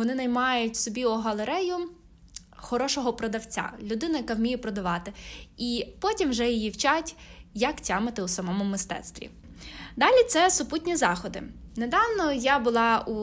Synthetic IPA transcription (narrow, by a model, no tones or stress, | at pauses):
ɔnɪnɐjmɑjʊtʲsɔbʲiɔɦɐlˠeɾɛjʊ | xɔɾɔʃɔɦɔpɾɔd̪ɐwt͡sʲa̰lʲʊd̪ɪnɐjɐkɑwmʲijɛpɾɔd̪ɐʋɑt̪ɪipɔtʲimwʒɛjijiwt͡ʃatʲjɐktʲamɪt̪ɪusɐmɔmʊmɪst̪ɛ̰t̪st̪ʋʲḭ | d̪ɑlʲit̪sɛsʊputʲnʲizɑxɔd̪ɪ̰ned̪ɑwnɔjabʊlˠɑu